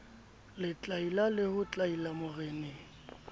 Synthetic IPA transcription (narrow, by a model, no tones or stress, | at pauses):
lɪt͡ɬʼailalɪhʊt͡ɬʼailamʊrɛːnɪ